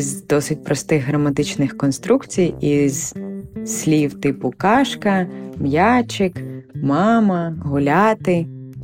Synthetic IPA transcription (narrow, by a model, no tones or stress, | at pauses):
zd̪ɔsɪt̚ʲpɾʔɔst̪ɪɣːɾɐmɐt̪ɪt͡ʃnɪxkɔnst̪ɾukt͡sʲijiz̥sʲlʲiwt̪ɪpʊkɑʃkɐmjat͡ʃɪkmɑmɐɦʊlʲat̪ɪ